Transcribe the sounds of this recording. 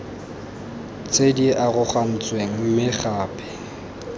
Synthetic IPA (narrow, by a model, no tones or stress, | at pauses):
t͡sʼediʔaɣʊχam̩t͡sʼweŋ̩mɪχaːpʰʼɪ̥